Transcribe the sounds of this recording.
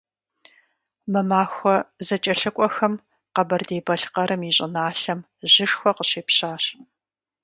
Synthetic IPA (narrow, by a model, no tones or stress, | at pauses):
mɐmaːxʷɔzɐt͡ʃʼɐɬɨkʷʼɔxɐm | qɐbɐrdeːbɐɬqɐɾɨmiɕʼɪ̰naːɬɐm | ʒɪʂxʷɔqəɕeːpɕaːɕ